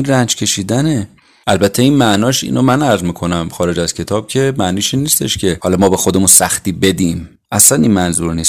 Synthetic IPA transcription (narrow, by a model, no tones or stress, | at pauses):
inrænd͡ʒcʲʰe̞ʃiːd̪æne | ʔælbæt̪ʰːe̞iːnmæʔnɒːʃḭːnomænæɾzmiːkʰo̞næmxɒːɾe̞d͡ʒæz̥cʰe̞t̪ʰɒːb̥̚cʰe̞mæniːʃiːnːiːst̪ʰe̞̰ʃcʰehɒlɒmɒːbexod̪e̞munsæxt̪iːbe̞d̪iːm | ʔæslæninmænzuɾniːst̪